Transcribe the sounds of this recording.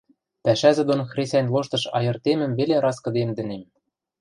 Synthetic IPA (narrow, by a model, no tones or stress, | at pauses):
pæʃæzɘ̆d̪onxrʲesʲænʲloʃt̪ɤ̆ʃɑ̰jɤ̆rt̪emɘ̆mβeleɾɑskɤ̆d̪emd̪ɘ̆nem